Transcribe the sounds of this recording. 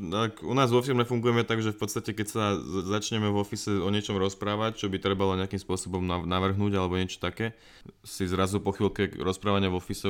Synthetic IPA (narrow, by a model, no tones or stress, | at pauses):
akunaːzʋɔfiɾmɛfuŋɡujɛmɛt̪aɡʒɛfpɔt̪st̪acɛkɛcsazat͡ʃɲɛmɛvɔfisɛɔɲɪɛt͡ʃɔmɾɔspɾaːʋact͡ʃɔbit̪ɾɛbalɔɲɛakimspʊɔsɔbɔmnanaʋr̩ɦnuːɟalɛbɔɲɪɛt͡ʃɔ̥t̪akɛː | sizɾazupɔxilkɛɾɔspɾaːʋaɲɪavɔfisɛ